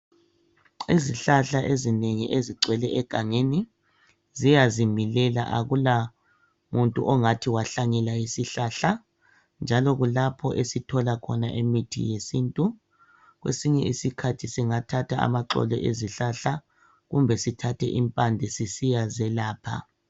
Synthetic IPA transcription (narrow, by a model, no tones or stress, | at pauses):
iziɬaɬaʔezineŋiʔeziǀʱwɛlɛʔɛɡ̥ʱaŋeni | zijazimilɛla̰ʔa̰ɣula | muntʼṵʔɔŋatʰiwaɬaɲɛlaisiɬaɬa | nd͡ʒʱalɔɣulapʰɔʔesitʰɔlakʰɔnaʔemitʰḭjesintʼu | ɣwḛsiɲɛisikʰatʰisiŋatʰatʰaa̰maǁɔ̰lɔ̰ʔeziɬaɬa | ɣumbʱɛsitʰatʰɛ̰ʔimpʼandʱɛsisijazɛlaːpʰa̰